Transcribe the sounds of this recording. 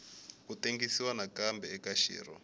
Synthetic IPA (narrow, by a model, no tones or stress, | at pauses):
kuteŋɡisiwanakambɛɛkaʃḭːɾɔ̰